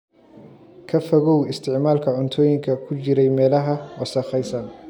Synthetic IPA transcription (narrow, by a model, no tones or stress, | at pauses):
kʰɐfɐɣɔwɪst̪ʰɪʕmaːlkʰɐʕʊnt̪ʰɔːjɪŋkʰɐkʰʊt͡ʃɪɾɛjmɛːlɐɦɐɔːsɐχɛjsɐn